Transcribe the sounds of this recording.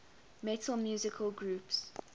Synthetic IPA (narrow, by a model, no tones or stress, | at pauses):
mɛtʰəlmjuːzɪkʰəlɡɹuːps